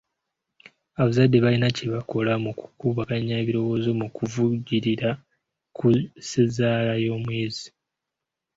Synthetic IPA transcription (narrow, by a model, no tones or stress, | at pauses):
aβazadːe̞βalinaceβako̞lamuku̥kuːβakaɲːaβiɾo̞wo̞ːzo̞mukuvuɟiɾiɾa | kusezaːlajo̞ːmweːzi